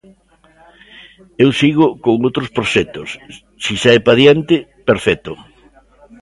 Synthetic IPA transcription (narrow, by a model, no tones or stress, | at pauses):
ewsiɣʊkoŋowt̪ɾʊspɾoʃɛt̪ʊsː | isaɛpaðjant̪ɪpeɾfɛt̪ʊ